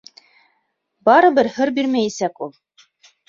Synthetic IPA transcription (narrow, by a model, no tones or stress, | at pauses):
bɑɾɤ̆bɘɾhɤ̆ɾbiɾmæjæsækulˠ